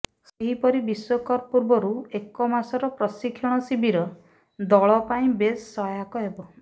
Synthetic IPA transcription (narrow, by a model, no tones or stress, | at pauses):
seɦipɔɾibiswɔkɔɾpuɾbɔɾuekɔmasɔɾɔpɾɔsikʰːɔɽ̃ɔsibʱiɾɔ | d̪ɔɭɔpaĩbesːɔjakɔɦebɔ